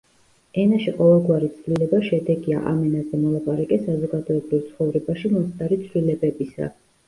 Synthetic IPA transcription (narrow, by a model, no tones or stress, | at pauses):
ɛnaʃiqʼɔvɛlˠɡwaɾit̪sʰvlilɛbaʃɛd̪ɛɡia̰ʔa̰mɛnazɛmɔlˠapʼaɾakʼɛsazɔɡad̪ɔɛbɾilt̪sʰχɔvɾɛbaʃimɔnst̪ʼaɾit̪sʰlilɛbɛbisa̰